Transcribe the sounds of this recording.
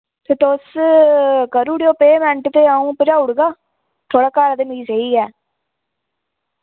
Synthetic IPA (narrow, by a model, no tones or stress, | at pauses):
t̪eːt̪os | kəɾuːɽjoːpeːmɛ̃ɳʈt̪eːaːũːpɪd͡ʒaːʊɽɡaː | t̪ʰoːɽaːkaːɾəd̪emiːsəiːɛː